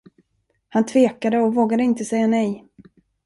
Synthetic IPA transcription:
hant̪ʰveːkad̪əɔvoːɡad̪əɪnt̪əsɛjːanɛj

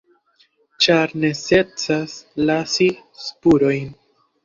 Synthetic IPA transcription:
t͡ʃaɾnese̞t͡saslasi | spuɾo̞jn

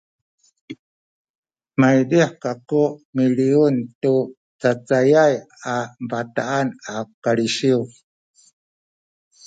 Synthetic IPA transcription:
majdiħkakuʔmiliuntu | t͡sat͡sajaj | ampataanakaɾiʃiu

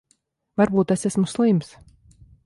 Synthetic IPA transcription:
vaɾbuːt̪ɛsæsmuslˠims

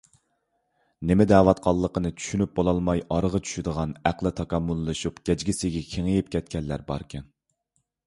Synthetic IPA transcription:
nɪmɪd̪ɛːwɑt̪̚qʰɑlˠːəqənɨt͡ʃʰy̥ʃynyp̚bolˠɑlˠmɑjɑɾəʁɑt͡ʃʰy̥ʃyd̪əʁɑnæqlˠɪt̪ʰɑkɑmːulˠːɨʃupɡʲɛd͡ʒɡʲisɪɡʲɛkʲʰeŋɪjip̚kʲʰɛt̪̚kʲɛnlːæɾbɑ̰ɾkʲʰɛn

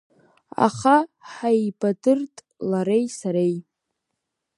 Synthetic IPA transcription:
a̰χaħajbadɨrtʼ | laɾejsaɾej

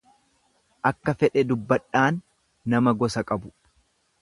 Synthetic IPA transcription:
ʔɐkːɐfɛᶑɛd̪ʊbːɐᶑaːnː | ɐmɐɡɔsɐkʼɐbʊ̥

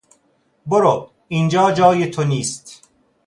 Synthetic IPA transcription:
boɾob | ind͡ʒɒːd͡ʒɒːjet̪ʰoniːst̪

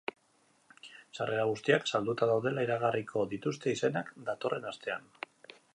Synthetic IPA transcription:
sare̞ɾaɣ̞ust̪iaksald̪ut̪aðawðe̞laiɾaɣ̞arikʰo̞ðit̪ust̪e̞ise̞nakd̪at̪o̞rʔe̞nast̪e̞a̰n

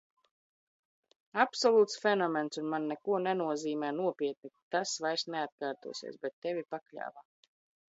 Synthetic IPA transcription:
apsɔlˠuːt̪sfʲɛnɔmɛnsunmanːɛkuɔnɛnuɔziːmɛːnuɔpʲiɛt̪̚nit̪asvajsneat̪̚kaːɾt̪ṵɔsḭɛsbɛt̪ːɛvʲipaklʲa̰ːva

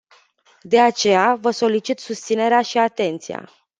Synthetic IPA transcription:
d̪e̞at͡ʃe̞javəso̞lit͡ʃit̪sust̪sine̞ɾeaʃiat̪e̞nt̪sia̰

